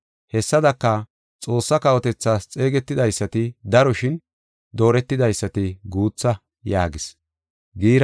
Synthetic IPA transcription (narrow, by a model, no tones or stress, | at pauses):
hɛsːɐd̪ɐkːɐ | t͡sʼo̞ːsːɐkɐwɔt̪ɛt͡sːaːst͡sʼe̞ːɡɛt̪ːɪd̪ɐjsːɐt̪ɪd̪ɐɾɔʃɪn | d̪o̞ːɾɛt̪ːɪd̪ɐjsːɐt̪ɪɡuːt͡sːɐ | jaːɡɪs | ɡiːɾ